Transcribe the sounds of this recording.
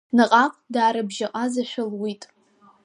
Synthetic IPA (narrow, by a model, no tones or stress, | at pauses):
nɨqʼaqʼdaːɾabʒaqʼazaʃʷᶣʊlwitʼ